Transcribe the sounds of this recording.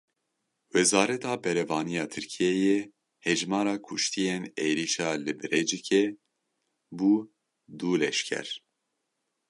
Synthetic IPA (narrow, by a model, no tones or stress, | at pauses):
wɛzɑːɾɛt̪ɑːbɛɾɛvɑːnijɑːt̪ʰɨɾkʰijɛjɛ | hɛʒmɑːɾɑːkʰʊʃt̪ʰijeneːɾiʃɑːlɨbɨɾɛd͡ʒɨkʰe | buː | d̪uːlɛʃkʲʰɛ̰ɾ